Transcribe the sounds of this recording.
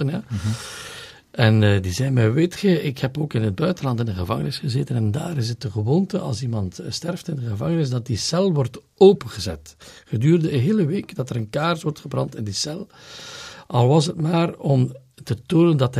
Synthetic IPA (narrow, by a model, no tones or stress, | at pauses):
ənja | ɛnːdizɛjmɛʋɪtxəɪkhɛpoːkɪnɦəd̚bœɥtənlɑntɪndəɣəvɑŋənɪsχəzeːtənɛnda̰ːɾɪsət̚əɣəʋoːntəʔɑ̰lˠsimɑntstɛrftɪndəɣəvɑŋənɪsdɑt̚disɛlˠʋɔrt | oːpənɣəzɛ̰tχədyːrdəəɦeːləʋeːkdɑtəɾənkaːrsʋɔrtχəbrɑ̰ntɪndisɛlˠ | ʔɑlˠʋɑsɦətmaːrɔm | tətoːnəndɑt